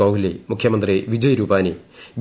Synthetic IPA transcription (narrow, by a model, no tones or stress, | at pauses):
ɐwɦilemukʰjɐmɐnd̪riʋid͡ʑɐjɾuːpaːnib